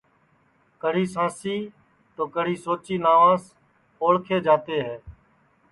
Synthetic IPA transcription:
kəɽ̤iːsãːsiː | t̪oːkəɽ̤iːsoːt͡ʃiːnaːʋãːs | oːɽkʰeːd͡ʒaːt̪eːɦɛː

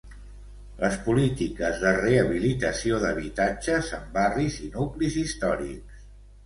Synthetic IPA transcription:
ləspulit̪ikəzðəreəβilit̪əsioðəβ̞it̪ad͡ʒəzəmbarizinuklizist̪ɔɾḭks

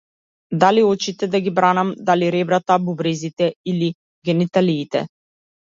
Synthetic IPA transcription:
d̪aliɔt͡ʃit̪ɛd̪aɡibɾanamd̪aliɾɛbɾat̪abubɾɛzit̪ɛili | ɡʲɛnit̪aliːt̪ɛ̰

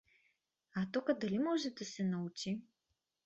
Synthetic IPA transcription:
at̪ɔkəd̪ɐlimɔʒɛd̪ɐsɛnɐut͡ʃi

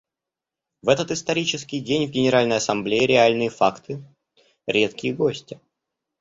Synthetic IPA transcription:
vɛt̪ət̪ɨst̪ɐɾʲit͡ɕɪskʲɪjdʲenʲvɡʲɪnʲɪɾalʲnəjɐsɐmblʲejɪɾʲɪalʲnɨjəfakt̪ʰɨ | ɾʲe̞t̪kʲɪjəɡo̞sʲtʲɪ

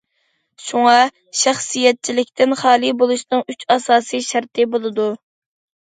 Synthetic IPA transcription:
ʃuŋɑ | ʃæχsijɛt̪̚t͡ʃʰilɪkʲt̪ʰɪnχɑːlˠibolˠuʃnɨŋyt͡ʃɑsɑːsɨʃæɾt̪ɨbolˠɨd̪u

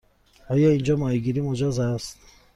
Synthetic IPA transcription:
ɔjɔind͡ʒɔmɔiɡiɾimod͡ʒɔzast̪

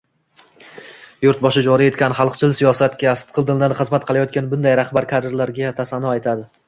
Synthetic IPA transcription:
jʊɾt̪̚bɒʃɪd͡ʒɒɾije̞t̪kʲʰanɪχɑlˠqt͡ʃʰɪlsijɒsat̪kʲast̪qʰɨlˠd̪ɪnd̪anχɨzmat̪̚qʰɨlˠajɒt̪̚kʲanbʊnd̪ajɾaχbaɾkʲʰad̪ɪɾlaɾɡʲat̪ʰasanɒajt̪ʰad̪ɪ

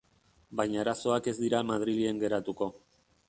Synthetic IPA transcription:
bajɲaeɾaso̞ake̞zd̪iɾamað̞ɾilie̞ŋɡe̞ɾat̪uko̞

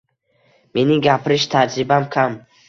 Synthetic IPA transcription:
me̞nɪɡʲapʰɾɪʃt̪ʰad͡ʒɾɪbamkʰam

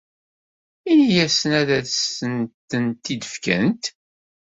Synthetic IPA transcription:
inijæsənæðæðsənt̪ːənt̪id̪əfkæ̰nt̪

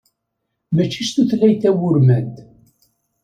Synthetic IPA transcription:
mæt͡ʃːiʃθuθlæjθæwʊɾmæd̪

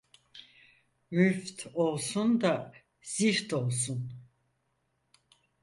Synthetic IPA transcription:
myft̪ʰo̞lˠsund̪a | z̥iɾt̪ʰo̞lˠsun

